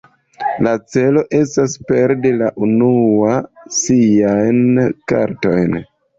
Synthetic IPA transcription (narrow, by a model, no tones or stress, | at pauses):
lat͡se̞lo̞ʔe̞s̬taspe̞ɾdelaʔunuasiajnka̰ɾto̞jn